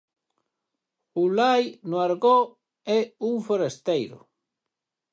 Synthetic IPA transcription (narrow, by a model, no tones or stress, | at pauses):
ulajnʊaɾɣo | ɛuŋfoɾest̪ejɾʊ̰